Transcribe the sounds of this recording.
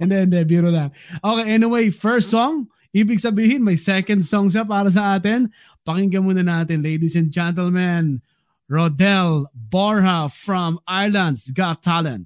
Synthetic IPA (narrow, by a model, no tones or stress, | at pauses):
ɛnd̪ɛɛnd̪ɛbiːɾolɐŋʔoːkejʔɛniwejfɛɹst̪soŋ | ʔiːbɪɡ̚sɐbiːhɪnmɐjsɛkɐnd̪̚soŋʃ̬ap̬aːɾɐs̬ɐʔaːt̪ɪn | pɐkɪŋɡɐmuːnɐnaːt̪ɪnlejd̪isɛ̃n̚d͡ʒɛ̃nt̪ɛlman | ɹod̪ɛlboɹhɐfɹɐmajlɐ̃nd̪sɡat̪ʰːalɛ̰̃nt̪̚